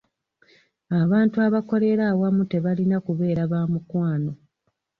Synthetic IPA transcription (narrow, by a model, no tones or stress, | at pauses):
aβaːntuaβako̞le̞ɾawamute̞βalinakuβe̞ːɾaβaːmukwaːno̞